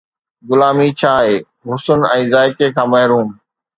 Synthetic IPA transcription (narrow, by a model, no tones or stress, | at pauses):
ɡʊlaːmit͡ɕʰaːɦeː | ɦʊsʊnɛ̃ːzaːɪkekʰãːmɐɦɾuːm